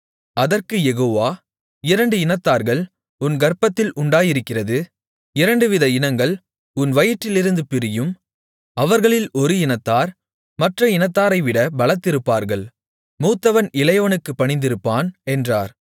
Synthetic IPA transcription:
ʔɐðɐrkɯjɛɣoːʋaː | ɪɾɐɳɖɯɪnɐt̪ːaːɾɣɐɭ | ʊnɡɐɾpɐt̪ːɪlʔʊɳɖaːjɪɾɯkːɪrɐðɯ | ɪɾɐɳɖɯʋɪðɐɪnɐŋɡɐɭ | ʊnʋɐjɪʈːɪlɪɾɯnd̪ɯpɪɾɪjɯm | ɐʋɐɾɣɐɭɪlɔɾɯɪnɐt̪ːaːɾ | mɐʈrɐɪnɐt̪ːaːɾɐɪʋɪɽɐbɐɭɐt̪ːɪɾɯpːaːɾɣɐɭ | muːt̪ːɐʋɐnɪlɐjɐʋɐnɯkːɯpːɐɳɪnd̪ɪɾɯpːaːnɛndraːɾ

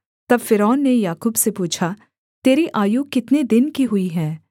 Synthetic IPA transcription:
t̪ɐbfɪɾɔːnːejaːkuːbsepuːt͡ʃʰa | t̪eːɾiʔaːjuːkɪt̪ned̪ɪnkiɦʊiɦɛ̃ː

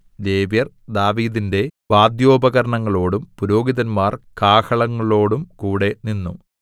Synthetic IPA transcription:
d̪e̞ːʋjɐr | d̪aːʋiːðinde̞ʋaːd̪jo̞ːbɐɣɐɾɐɳɐŋːɐɭo̞ːɽumpuɾo̞ːɡiðɐnmaːrkaːhɐɭɐŋːɐɭo̞ːɽumkuːɽe̞ninːu

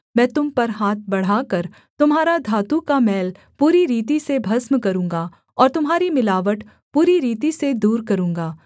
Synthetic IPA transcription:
mɛ̃ːt̪ʊmpɐɾɦaːt̪̚ʰbɐɽ̤aːkɐɾ | t̪ʊmɦaːɾad̪ʱaːt̪ukamɛːl | puːɾiɾiːt̪̬isebʱɐsmkɐɾũːŋɡa | ɔːɾt̪ʊmɦaːɾimɪlaːʋəʈ | puːɾiɾiːt̪ised̪uːɾkɐɾũːŋɡaː

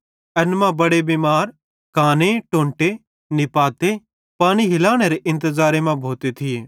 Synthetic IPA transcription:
ɐnmãbɐɽebimaːɾ | kaːneʈõːɳʈe | nɪpaːt̪e | paːɽ̃iɦɪlaːɽ̃eɾeʔɪ̃nt̪əzaːɾemãbʱoːt̪et̪ʰɪeː

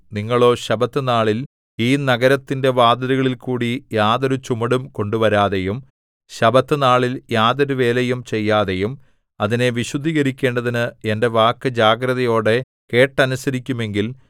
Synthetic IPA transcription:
niŋːɐɭo̞ːɕɐbɐt̪ːɨnaːɭil | iːnɐɡɐɾɐt̪ːinde̞ʋaːd̪ɐɾuɣɐɭilkuːɽijaːðɐɾut͡ɕumɐɽumko̞ɳɖuʋɐɾaːðe̞jum | ɕɐbɐt̪ːɨnaːɭiljaːðɐɾuʋe̞ːlejumt͡ɕe̞jːaːðe̞jum | ɐðine̞ʋiɕud̪ʱiːɣɐɾikʲːe̞ːɳɖɐðinɨe̞nde̞ʋaːkːɨd͡ʑaːɡɾɐðɐjo̞ːɽe̞ | ke̞ːʈːɐnusɐɾikʲːume̞ŋɡil

